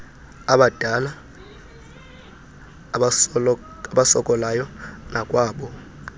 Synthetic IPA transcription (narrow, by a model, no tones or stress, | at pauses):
aɓad̥ʱala | aɓasɔkʼɔlajɔnakʼwaːɓɔ